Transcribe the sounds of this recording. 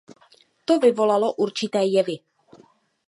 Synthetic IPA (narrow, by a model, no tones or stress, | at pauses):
t̪ovɪvolaloʔuɾt͡ʃɪt̪ɛːjɛvɪ